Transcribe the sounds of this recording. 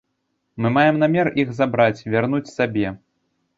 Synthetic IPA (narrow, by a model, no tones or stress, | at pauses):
mɨmajɛmnamʲɛrʔixzabɾat͡sʲvʲarnut͡sʲsabʲɛ